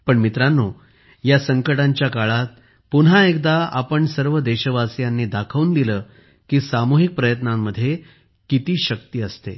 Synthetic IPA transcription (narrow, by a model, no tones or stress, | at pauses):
pəɳmit̪ɾanːo | jasəŋkəʈaɲt͡ɕjakaɭat̪̚ | puɳɦaek̚d̪aa̰pəɳsəɾʋəd̪eɕəʋasjanːiːd̪akʰəʋuːnd̪iləː | kiːsamuɦik̚pɾəjət̪namːəd̪ʱːje | kit̪iːɕəkt̪iəst̪ḛ